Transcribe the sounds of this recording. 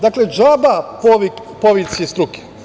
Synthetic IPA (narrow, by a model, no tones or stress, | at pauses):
d̪akled͡ʒabapoʋi | poʋisest̪ɾuke̥